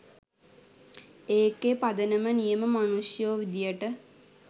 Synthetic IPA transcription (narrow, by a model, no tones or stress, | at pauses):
eːkːepad̪ənəmənijəməmanuʂjoːʋid̪ijəʈə